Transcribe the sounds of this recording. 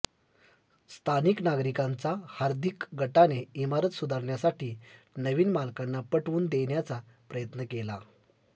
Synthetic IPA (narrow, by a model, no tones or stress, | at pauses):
st̪ʰaniknaɡɾikant͡sahaɾd̪ʱikɡʱəʈaneimaɾət̪sud̪ʱaɾɳjasaʈiːnəʋiːnmalkanːapəʈʋuːnd̪eɳjat͡sa | pɾəjət̪nəkela